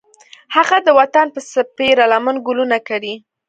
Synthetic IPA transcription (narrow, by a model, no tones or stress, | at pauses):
haɣad̪əwat̪anpəsapeɾalamənɡʊlunakaɽi